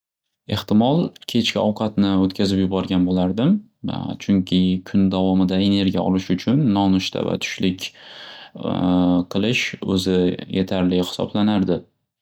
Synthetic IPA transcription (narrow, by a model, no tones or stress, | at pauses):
e̞ht̪ɪmɒlˠkʲʰe̞t͡ʃkʲɪɒwqʰɑt̪nɪot̪kʲʰazɪpjʊbɒɾɡʲanbolaɾd̪ɪm | t͡ʃʰʊŋkʲʰɪkʰʊnd̪avɒmɪd̪ae̞ne̞ɾɡʲijaɒ̰lɪʃʊt͡ʃʰʊnːɒnʊʃt̪ʰa̰va̰t̪ʰʊ̥ʃlɪkʲ | qʰɨlˠɪʃɵ̰zɪjʔet̪ʰaɾlɪhɪ̥sɒ̰blanaɾd̪ɪ